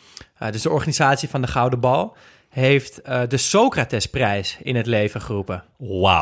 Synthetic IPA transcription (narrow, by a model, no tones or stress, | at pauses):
dɵsdəɔɹχaːnizaːtsifɑndəχʌwdəbɑlˠ | ɦejftdəsowkraːtɛsprɛjsɪnɦətlejvəχərupəwa̰